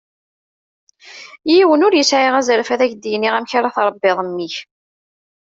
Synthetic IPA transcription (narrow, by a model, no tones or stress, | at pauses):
jiwənʊɾjəsʕɪʁæzɾfæðæçd̪ijniʁæmçaɾaθɾˤəbːɪðˤmːiç